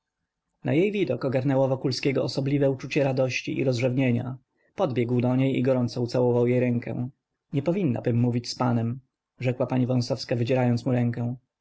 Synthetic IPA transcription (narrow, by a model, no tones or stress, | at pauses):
na̰jejvʲid̪ɔkɔɡaɾnɛwɔvɔkulskʲeɡɔɔsɔblʲivɛut͡ʂut͡ɕɛɾad̪ɔɕt͡ɕiʔḭɾɔzʐɛvɲeɲa̰ | pɔd̪bʲjɛɡwd̪ɔɲejḭɡɔɾɔnt̪sɔut̪sawɔvawjejɾɛŋkɛ̰w̃ | ɲɛpɔvʲinːa̰bɘmːuvʲit͡ɕspanɛm | ʐɛkwapaɲivɔ̃w̃sɔfskavɘd͡ʑɛɾajɔnt̪smuɾɛŋkɛw̃